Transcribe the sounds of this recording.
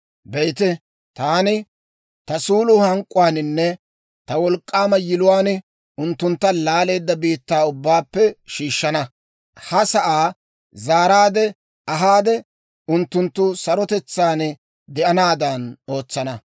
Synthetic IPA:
bɛjt̪ɛ | t̪aːnɪ | t̪ɐsuːlʊhɐŋkʼːʊwaːnɪnːɛ | t̪ɐwɔlkʼːaːmɐjɪlʊwaːnɪ | ʊnt̪ːʊnt̪ːɐlaːle̞ːd̪ːɐbiːt̪ːaːʊbːaːpːɛʃiːʃːɐnɐ | hɐsɐʔaː | zaːɾaːd̪ɛ | ɐɦaːd̪ɛ | ʊnt̪ːʊnt̪ːʊsɐɾɔt̪ɛt͡sːaːn | d̪ɛʔɐnaːd̪ɐno̞ːt͡sːɐnɐ

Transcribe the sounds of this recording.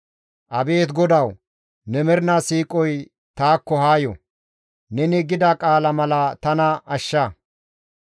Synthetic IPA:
ʔɐbe̞ːt̪ɡɔd̪ɐw | nɛmɛɾɪnasiːkʼɔj | t̪aːkːɔhaːjɔ̰ | nɛnɪɡɪd̪ɐkʼaːlɐmɐlɐt̪ɐnɐɐʃːɐ

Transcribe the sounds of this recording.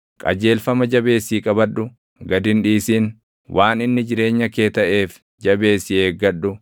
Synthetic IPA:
kʼɐ̰d͡ʒe̞ːlfɐmɐd͡ʒɐbe̞ːsːiːkʼɐbɐᶑʊ | ɡɐd̪ɪnᶑiːsiːn | wʔaːnɪnːɪd͡ʒɪɾe̞ːɲːɐke̞ːt̪ɐʔeːf | d͡ʒɐbe̞ːsɪeːɡːɐᶑʊ

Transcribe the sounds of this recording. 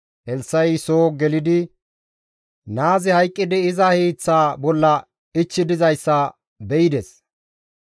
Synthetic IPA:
ʔɛlsːɐjsoːɡɛlɪd̪ɪ | naːzɪhɐjkʼːɪd̪ɪɪzɐhiːt͡sːaːbɔlːɐ | ɪt͡ʃːɪd̪ɪzɐjsːɐ | bɛɪd̪ɛs

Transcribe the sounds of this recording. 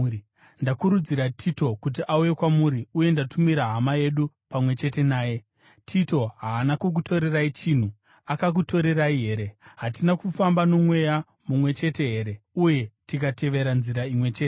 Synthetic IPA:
ndakuɾud͡ziɾatʰito̞kut̬iʔauje̞kwamuɾiuje̞ndatʰumiɾaɦamaje̞ɗupamwe̞t͡ʃe̞te̞naːje̞ | tʰito̞ɦaːnakuk̬uto̞ɾe̞rait͡ʃin̤u | akak̬uto̞ɾe̞ɾaiɦe̞ːɾe̞ɦatinakufambano̞mwe̞ja | mumwe̞t͡ʃe̞te̞ɦe̞ɾe̞uje̞tikate̞ʋe̞ɾanziɾaimwe̞t͡ʃe̞ːte

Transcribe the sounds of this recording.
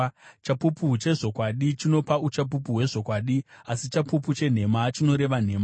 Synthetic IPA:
t͡ʃapuput͡ʃe̞ʐo̞kwaɗit͡ʃino̞paut͡ʃap̬up̬uɦwe̞ʐo̞kwaːɗiasit͡ʃapuput͡ʃe̞n̤e̞mat͡ʃino̞ɾe̞ʋan̤e̞ːma

